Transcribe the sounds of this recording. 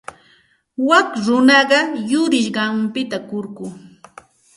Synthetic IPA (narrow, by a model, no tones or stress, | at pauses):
wakɾʊnɑɢɑjʊɾɪʃɢɑmpɪt̪akoɾkʊː